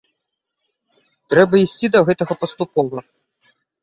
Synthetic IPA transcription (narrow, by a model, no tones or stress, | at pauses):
t̪ɾɛbɐisʲt͡sʲid̪ɐɣɛt̪ɐɣɐpɐst̪upɔvɐ